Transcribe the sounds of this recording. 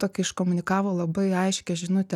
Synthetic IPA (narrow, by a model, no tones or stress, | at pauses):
t̪oːkʲɪɪʃkoːmʊnʲɪkɑːʋoːlˠɐbɐɪɐɪʃʲkʲɛʒʲɪnʊt̪ʲɛ